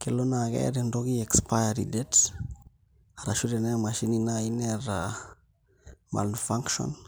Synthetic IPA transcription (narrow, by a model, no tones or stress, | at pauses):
kelonakɛ̰ɾɛndoɡiɛkspajaɾḭdɛt | aɾaʃuɾenemaʃininaineɾa | ma̰lnfaŋkʃɔ̰n